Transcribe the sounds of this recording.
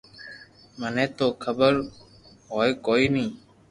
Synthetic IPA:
mənẽːt̪oːkʰəbəɾ | ɦoːeːkoːiːnĩː

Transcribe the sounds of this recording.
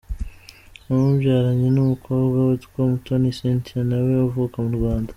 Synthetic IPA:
umubjaːɾaɲenumukʰo̞ːbɡawetu̥komutonisentianaweavukamuɾɡwaːndḁ

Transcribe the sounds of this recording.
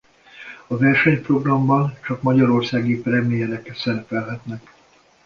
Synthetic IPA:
ɒvɛrʃɛɲpro̞ɡrɒmbɒnt͡ʃɒkmɒɟɒɾo̞rsaːɡipɾɛd̪meːɲɛlɛkːɛt̪sɛɾɛpɛlɦɛt̪nɛk

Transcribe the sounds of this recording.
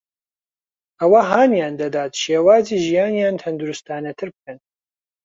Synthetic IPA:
ʔɐwɐɦaːnjaːnd̪ɐd̪aːt̪ʃeːwaːziːʒijaːnjaːnt̪ʰɐnd̪uɾust̪aːnɐt̪ʰɨɾbɨkʰɐn

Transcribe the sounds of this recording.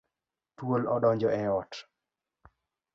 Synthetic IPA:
twolɔɗɔɲd͡ʒɔɛɔt

